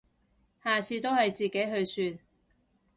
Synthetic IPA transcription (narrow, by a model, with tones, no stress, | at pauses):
haː˨˩t͡sʰiː˧t̪o˥whɐ˨jt͡siː˨ke˨˥jɦɵ˧ɥsyː˧n̚